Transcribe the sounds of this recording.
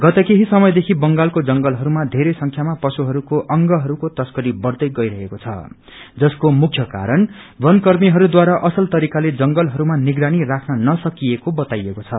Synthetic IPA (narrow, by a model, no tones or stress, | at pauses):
ɡʌt̪ʌkeɦisʌmʌjd̪ekʰibʌŋɡalkod͡zʌŋɡʌlɦʌɾumad̪ʱeɾʌjsʌŋkʰjamapʌsuɦʌɾukoʔʌŋɡʌɦʌɾukot̪ʌskʌɾibʌrd̪ʌjɡʌjɾʌɦekot͡sʰʌ̰ | d͡zʌskomukʰjʌka̰ɾʌn | bʌnkʌrmiɦʌɾud̪waɾaʔʌsʌlt̪ʌɾikaled͡zʌŋɡʌlɦʌɾumaniɡɾanirakʰnʌnʌsʌkiekobʌt̪ajekot͡sʰʌ